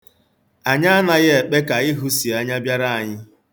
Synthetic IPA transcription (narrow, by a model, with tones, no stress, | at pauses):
a˨ɲa˦a˦na˨ɣɪ˦e˨k͡pe˦ka˨i˦ɦu˦si˨a˨ɲa˦bja˦ɾa˦a˨ɲɪ˦